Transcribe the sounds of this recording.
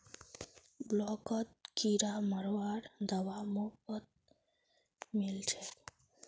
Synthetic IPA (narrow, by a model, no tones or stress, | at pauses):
blɔkɔt̪̚kiɾaməɾwaɾd̪əwamokɔt̪̚ | milt͡ʃʰe